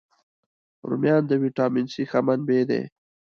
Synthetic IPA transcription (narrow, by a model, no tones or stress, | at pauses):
ɾṵmjɑːnd̪əwiʈɑːmɪnsixamanbeːd̪ḛ